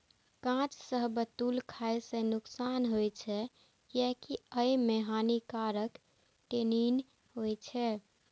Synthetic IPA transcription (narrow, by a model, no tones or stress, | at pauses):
kãt͡ʃsəɦbət̪ulkʰajsẽnuksanɦojt͡ʃʰɛ | jakiəjmeɦanikaɾək | ʈenin | ɦojt͡ʃʰɛ